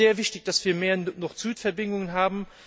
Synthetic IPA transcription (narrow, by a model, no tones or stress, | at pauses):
eːɐvɪçtɪçd̥asv̥iːɐmeːɐnɔχz̥yːtfɛɐbɪŋʊŋənɦaːbm̩